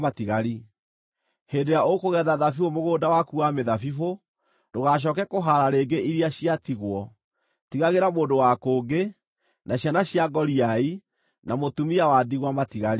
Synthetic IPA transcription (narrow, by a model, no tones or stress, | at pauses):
atiɣaɾi | heːdeɾjaokoɣɛðaðafifomoɣoːdawakuwameðafifo | d̥oɣaɕ̬ɔːkɛkoɦaɾaɾeːɡeʔiɾiaɕiatiɣwɔ | tiɣaɣeɾamoːndowakoːɡe | nʔaɕjanaɕiaɡɔɾiai | namotumiawadiɣwamatiɣaɾi